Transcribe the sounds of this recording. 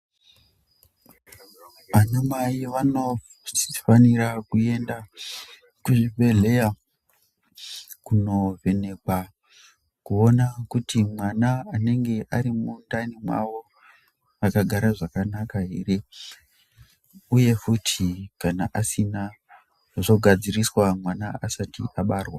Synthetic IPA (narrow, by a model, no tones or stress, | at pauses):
ʋanamaiʋano | faniɾakue̞nda | kuʐivʱe̞ɮe̞ja | kuno̞ve̞ne̞kwa | kuo̞nakutʰimwanaane̞ŋɡe̞ʔaɾimundanimwa̰ʋo̞ | akaɡʱaɾaʐakanakaɦire | uje̞futʰikanaʔasina | ʐo̞ɡʱad͡ziriswamwanaasatḭʔaɓaːrwa